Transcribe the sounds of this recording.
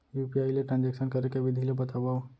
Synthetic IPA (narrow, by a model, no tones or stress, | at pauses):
juːpiaːileʈɾãːnd͡ʒekʃənkɐɾekeʋɪd̪ʱilebɐt̪abao